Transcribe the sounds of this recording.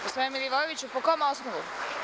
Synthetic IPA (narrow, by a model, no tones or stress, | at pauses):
posoemiljiʋojeʋit͡ɕupokomosnoʋu